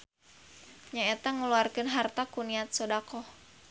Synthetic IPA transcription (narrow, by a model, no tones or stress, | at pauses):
ɲaɛt̪aŋəluarkənɦart̪akuniat̪̚sɔdakɔh